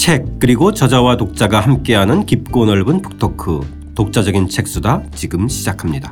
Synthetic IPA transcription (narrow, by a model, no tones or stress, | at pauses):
t͡ɕʰe̞k̚k͈ɯɾiɡot͡ɕʌd͡ʑawatok̚t͡ɕ͈aɡahamk͈e̞ɦanɯnkip̚k͈onʌɭbunpʰɯ̥k̚tʰokʰɯ | tok̚t͡ɕ͈ad͡ʑʌɡint͡ɕʰe̞k̚s͈udat͡ɕiɡɯmɕʰid͡ʑakʰamɲida